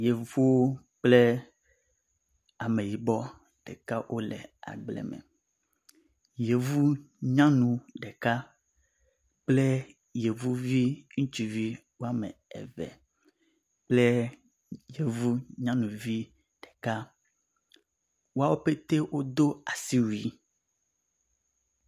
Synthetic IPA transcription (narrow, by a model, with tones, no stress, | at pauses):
je˨vu˦wo˦ | k͡ple˦ | a˨me˨ji˨bɔ˦ | ɖ̥ɛ˨ka˦wʔo˦lɛ̰˨a̰˨ɡ͡blɛ̰˨mɛ̰˨ | je˨vu˦ | ɲã˦nũ˨ɖe˨ka˦ | k͡ple˦ | je˨vu˦vi˦ŋũ˦t͡ʃi˨vi˦ | wo˦a˦mḛ˨ɛ̰˨vɛ̰˨ | k͡ple˦ | je˨vu˦ɲã˦nũ˨vi˦ | ɖ̥e̥˨ka˦ | wo˦a˦wo˦pe˦t̪e˦wo˦d̪o˦a˨si˦wu˨i˦